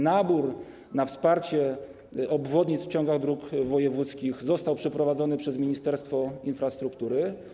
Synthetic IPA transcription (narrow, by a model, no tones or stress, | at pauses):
nabuɾ | nafspaɾt͡ɕɛ | ɔbvɔd̪ɲit̪sft͡ɕɔ̃ŋɡaɣd̪ɾukvɔjɛvut̪skʲixzɔst̪awpʂɛpɾɔvad̪zɔnɘpʂɛzmʲiɲist̪ɛɾst̪fɔinfɾast̪ɾukt̪uɾɘ